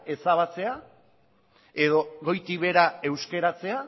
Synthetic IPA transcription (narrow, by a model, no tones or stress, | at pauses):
e̞saβ̞at͡se̞a | e̞ðo̞ɣo̞jt̪iβe̞ɾae̞wske̞ɾat͡se̞a